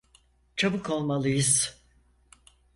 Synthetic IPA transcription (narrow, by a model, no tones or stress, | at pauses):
t͡ʃʰabɯko̞lˠmalˠɯjɯz̥